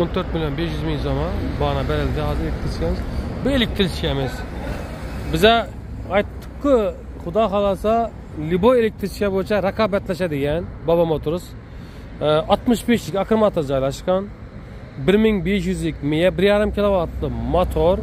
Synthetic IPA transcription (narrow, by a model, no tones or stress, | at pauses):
ont̪ʰøɾt̪milʲjonbeʃjyzmiŋzomɑbɑːnɑbɛɾɛld̪ɪhɑːzɨɾelɪk̚ʲt̪ʰɪɾt͡ʃʰkʲʰɛmɪzbuelɪk̚ʲt̪ʰɪɾt͡ʃʰi̥kʲʰɛmɪz̥ | bɪzɛ | ɑjt̪ʰːɯ̥kːɯ | χʊd̪ɑːχɑlˠɑsɑ | liboelʲek̚ʲt̪ʰɾɪt͡ʃʰi̥kʲɛbojt͡ʃʰɛɾɑkʰɑːbɛt̪lɛʃɛd̪eɡʲɛnbɑbɑmot̪ʰuɾus | ɑt̪mɨʃbeʃlɪkʲɑkʰɯɾmɑt̪ʰoɾd͡ʒɑjlˠɑʃqɑn | bɪɾmiŋbeʃ̬jyzlikʲmijɛbɪɾjɑːɾɨmkʲʰilˠovɑt̪lˠɨmat̪ʰoɾ